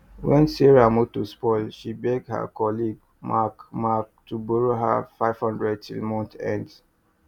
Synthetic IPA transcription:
wɛ̃nsiɹamotuspɔɪlʃibeɡ̚dha̰kɔliɡ | makmak̚tʰubɔɹoɦa̰faɪv̥hɔ̃ndɹɛd̚tḭlmɔ̃ntɛ̰̃nd

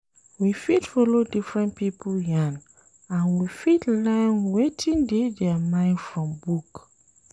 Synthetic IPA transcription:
wifitfɔlodifɹɛ̃npipʰoljãn | ãnwifitlãɪnwetʰĩŋdedɛəmãɪ̃ndfɹɔ̃mbuk

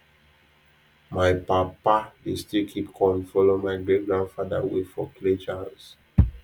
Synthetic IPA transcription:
majpapadestilkʰipkʰɔ̃nfɔlomajɡɹɛɡɹãndfada̰wefɔkʰled͡ʒas

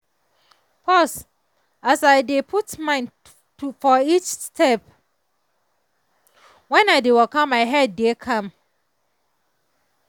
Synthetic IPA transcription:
pʰɔs | asaɪdepʰutmãɪ̃n | tufɔit͡ʃstʰɛp | wɛ̃naɪdewɛlkɔ̃maɪɦɛdːekʰãm

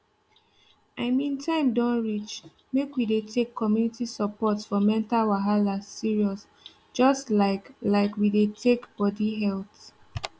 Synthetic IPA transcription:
aɪmĩntʰãɪ̃mdɔ̃nɹit͡ʃ | mekwidetʰekʰːɔmjunitisəpɔtfɔmɛ̃ntalwaɦalasiɹiɔs | d͡ʒɔstlaɪklaɪkwidetʰekb̥ɔdiɦɛlθ

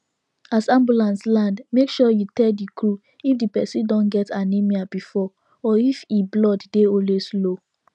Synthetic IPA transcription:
asãmbulãnslãndmekʃɔjutɛdikɹu | ifdipɛsĩdɔ̃nɡɛtʰanimiabifɔ | ɔifiblɔddeɔ̃lweslo

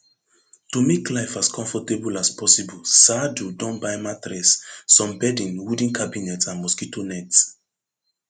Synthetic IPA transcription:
tomeklaɪfaskʰɔ̃ɱfɔtebulaspɔsibulsadudɔ̃nbajmatɾɛsːɔ̃mbɛdĩnwudĩnkʰabinɛtãnmɔskitonɛts

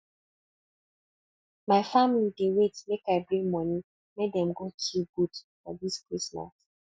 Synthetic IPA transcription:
maɪfamilidewetmekaɪbɹĩŋmɔni | medɛm̩ɡot͡ʃʰiɡudfɔ̰diskɹisma̰s

